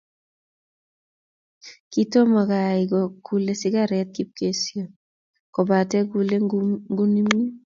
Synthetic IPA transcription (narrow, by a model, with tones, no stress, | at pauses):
ki˦to˦ma˨ka˨ɪɡɔku˨le˦sɪ˦ka˨ɾɛ˦t̪̚ki˦p̚ke˦sjo˨ | kɔ˨ba˨tɛ˦ku˦le˦ŋɡu˦ni˦mi˦